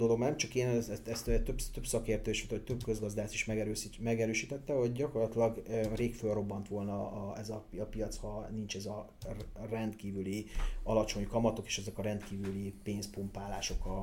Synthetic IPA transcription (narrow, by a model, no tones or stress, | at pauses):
d̪oloɡnɛmt͡ʃɒkeːnɛɛst̪ɛst̪øɛt̪øbst̪ø̞bsɒkeːrt̪øːʃit̪oc̚t̪øbkø̞zɡɒzd̪aːʃt̪iʃmɛɡɛɾømɛɡɛɾøːʃiːt̪ɛt̪ːɛɦo̞ɟɟɒko̞rlɒt̪ilɒɡreːkfølro̞bːɒnt̪ʋo̞lnɒːɛzɒpiɒpiɒt̪shɒnint͡ʃɛzɒ | rɛnd̪kiːvyliɒ̰lɒt͡ʃo̞ɲkɒmɒt̪o̞ke̥ːʃɛzɛkɒɾɛnt̪kiːvylipeːnspumpaːlaːʃo̞kɒ